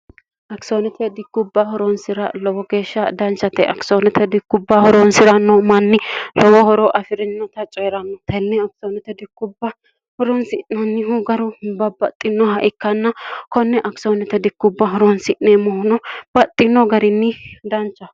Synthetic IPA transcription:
ʔɐksonɛt̪ʰɛd̪ɪkːʊbːɐhɔɾɔnsɪɾɐlɔwɔɡeːʃːɐd̪ɐnt͡ʃːɐt̪ɛʔɐksonɛt̪ʰɛd̪ɪkːʊbːɐhɔɾɔnsɪɾɐnːɔmɐnːɪlɔwɔhɔɾɔʔɐfɪɾɪnːɔt̪ɐt͡ʃʼeːɾɐnːɔt̪ɛnːɛɐksonɛt̪ɛd̪ɪkːʊbːɐ | hɔɾɔnsɪnːɔnːɪɦuɡɐɾʊbɐbɐt̪ʼːɪnːɔɦɐʔɪkːɐnːɐkɔnːɛʔɐksonɛt̪ɛd̪ɪkːʊbːɐɦɔɾɔnsɪʔːemɔhʊnɔb̥ɐt̪ʼːɪnːɔɡɐɾɪnːɪd̪ɐnt͡ʃːɐ

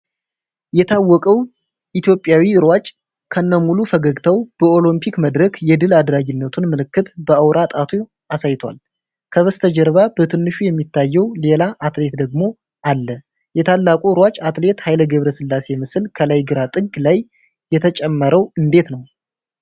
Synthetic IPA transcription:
jɛt̪ʰawːɔkʼəw | ʔit̪ʰjo̞pʼːjawiɨɾwat͡ʃʼ | kʰənːəmulufəɡəɡt̪ʰəwb̥əo̞lɨmpʰikməd̪ɾəkjɛd̪ɨlad̪ɾaɡɪnːət̪ʰunməlɨkːɨt̪bəʔəwɾat̪ʼat̪ʰo | asajt̪ʰwa̰l | kʰəβəst̪ʰəd͡ʒɛɾβab̥ət̪ʰɨnːɨʃujɛmːit̪ʰːajːɛwle̞laʔat̪le̞t̪d̪əɡmo̞ | ʔalːə | jɛt̪ʰalːakʼuɨɾwat͡ʃʼat̪le̞t̪hajləɡəβɾəsɨlːase̞mɨsɨlkʰəlajɡɨɾat̪ʼɨɡlaj | jɛt̪ʰət͡ʃʼɛmːəɾəwɨnd̪e̞t̪nəw

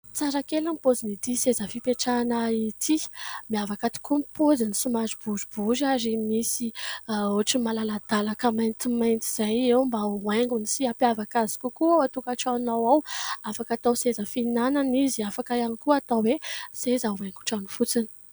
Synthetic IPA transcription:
t͡saɾakelamipozinit̪isezəfipeʈ͡ʂanəit̪ʰimiavakat̪i̥kumpʰozinisumazib̥uzibuzazimisioʈ͡ʂimalalad̪̥alakəmajnt̪imajnt̪iz̥ajewmbaweŋɡunisiapavakazi̥kukuaat̪ukaʈ͡ʂanawawafakat̪awsezəfinananiziafakaanikuat̪awwesezauweŋɡu̥ʈ͡ʂanifut͡sini̥

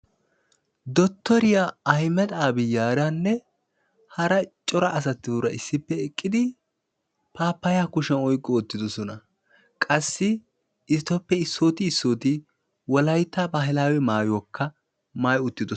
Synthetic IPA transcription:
d̪ɔt̪ːɔɾɪjaɐjmɛt̪ʼaːbɪjaːɾanːɛ | hɐɾɐt͡ʃʼɔɾɐʔɐs̬ɐt̪ːɪʊɾɐʔɪsːɪpːɛɛkʼːɪd̪ɪ | paːpːɐjaːkʊʃɛnɔjkʼːɔːt̪ːɪd̪ɔsɔnɐ | kʼɐsːɪ | ɪst̪ːɔpːɛɪsːoːt̪ɪːsːoːt̪ɪ | wɔlɐjt̪ːɐbaɦɪlaːwɛmaːjɔkʰːɐ | maːjʊt̪ːɪd̪ɔ

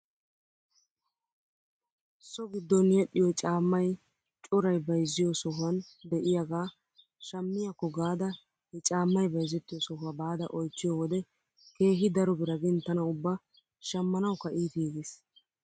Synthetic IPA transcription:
sɔɡɪd̪ːɔnjɛɗːɪjɔt͡ʃʼaːmːɐj | t͡ʃʼʊɾɐjbɐjzːɪjɔsɔhʊɐnd̪ɛʔɪjaɡaː | ʃɐmːɪjakːɔɡaːd̪ɐ | hɛt͡ʃʼaːmːɐjbɐjzɛt̪ːɪjɔsɔhɐbaːd̪ɐ̰ʔɔjt͡ʃːɪjɔwɔd̪ɛ | ke̞ːɦɪd̪ɐɾɔbɪɾɐɡɪnt̪ːɐnɐʊbːɐ | ʃɐmːɐnɐwkɐʔiːt̪iːɡɪs

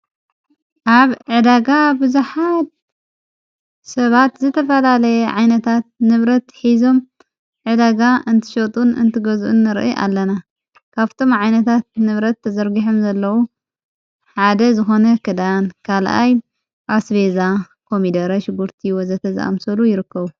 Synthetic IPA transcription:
ʔaβʕɨd̪aɡabɨzuħat̪̚ | sɐβat̪zɨt̪ʰɐfɐlalɐjɛʕajnɐt̪ʰat̪̚nɨβɾɐt̪ħizo̞m | ʕɨd̪aɡaʔɨnt̪ʰɨ̥ʃɐt̪ʼunɨ̰nt̪ʰɨɡɐzʔṵnːɨɾʔɨ̰ʔa̰lːɐna | kʰaβt̪ʰo̞mʕajnɐt̪ʰat̪̚nɨβɾɐt̪ːɐzɐɾɡiħomzɐlːɐwu | ħad̪ɐzɨxo̞nɐkʰɨd̪ankʰalʔa̰j | ʔasβe̞za | kʰo̞mid̪ɐɾɐʃɪɡuɾt̪ʰijwozɐt̪ʰɐza̰ʔa̰msɐlujɪɾɨkːɐβu

